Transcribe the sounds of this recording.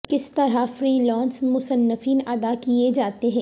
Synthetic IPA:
kɪst̪ɐɾafɾiːlɔ̃ːnsmʊsənːəfiːnɐd̪akied͡ʒaːt̪eɦɛ̃ː

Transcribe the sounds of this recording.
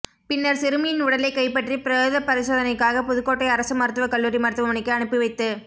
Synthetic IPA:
pɪnːɐɾsɪɾɯmɪjɪnʊɽɐlɐɪkːɐɪpːɐʈripɪɾɐjoːðɐpɐɾɪsoːðɐnɐɪkːaːɣɐpʊðɯkːoːʈːɐɪɐɾɐsɯmɐɾɯt̪ːɯʋɐkɐɭːuːɾimɐɾɯt̪ːɯʋɐmɐɳɪkːɯɐɳɯpːɯʋɐɪt̪ːɯ

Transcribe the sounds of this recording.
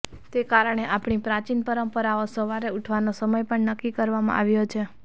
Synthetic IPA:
t̪ekaɾəɳ̃eʔapɳipɾat͡ʃinpəɾəmpəɾaosəʋaɾeuʈʰʋanosəməjpəɳnəkːikəɾʋamã̰ʔa̰ʋjot͡ʃʰe

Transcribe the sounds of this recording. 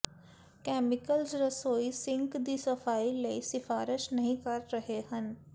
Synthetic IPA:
kɛːmɪkəlzɾɐsoːisɪ̃ŋkd̪isɐfaːileisɪfaːɾɪʃnɐɦĩkɐɾːɐɦehɐ̃n

